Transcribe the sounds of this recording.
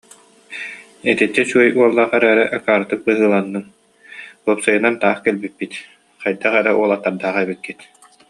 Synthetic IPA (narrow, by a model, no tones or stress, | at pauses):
ɛt̪ɛt̪ːɛt͡ɕuɔjuɔlˠːaχɛɾæːɾɛʔɛkaːɾɯt̪ɯk̚bɯɦɯːlˠanːɯŋ | uɔpsɯjɯnant̪aːχkɛlbit̪̚pːit̪ | χajd̪aχɛɾɛʔuɔlˠat̪ːaɾd̪aːχɛbikːit̪